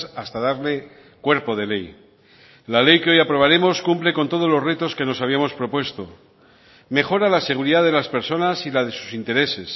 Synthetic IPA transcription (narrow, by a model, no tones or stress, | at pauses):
ast̪aðaɾle̞ | kwe̞ɾpo̞ð̞e̞le̞j | lale̞jke̞o̞japɾo̞β̞aɾe̞mo̞skumple̞ko̞nt̪o̞ð̞o̞zlo̞ret̪o̞ske̞no̞saβiamo̞spɾo̞pwe̞st̪o̞ | me̞xo̞ɾalase̞ɣ̞uɾiðaðe̞laspe̞ɾso̞nasilaðesu̥sint̪e̞ɾe̞se̞s